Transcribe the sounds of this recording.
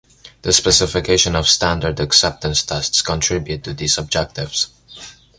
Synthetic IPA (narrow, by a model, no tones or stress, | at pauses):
ðəspɛsɪfɪkʰeɪʃə̃nɔv̥stæ̃ndə˞dɨksɛp̚tə̃nstʰɛstskə̃ntʰɹ̥ɪbjutʰːɨðisəb̚d͡ʒɛk̚tɪv̥s